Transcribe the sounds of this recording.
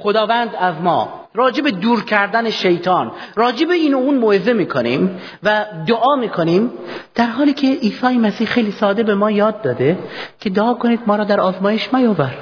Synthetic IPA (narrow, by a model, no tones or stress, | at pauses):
χod̪ɒːvænd̪æzmɒ̰ː | ɾɒːd͡ʒebed̪uːɾcʰæɾd̪æneʃejt̪ʰɑːnrɒːd͡ʒebeiːnouːnmoezemiːkʰonḭːm | væd̪oʔɒːmiːkʰoniːmd̪̥æɾɦɒːliːcʰe̞ʔiːsɒːjemæsiːhxe̞jliːsɒːd̪e̞be̞mɒːjɒːd̪̚ːɒːd̪ecʰe̞d̪oɒːkʰoniːd̪mɒːɾɒːd̪æɾɒːzmɒːje̞ʃmæjɒːvæɾ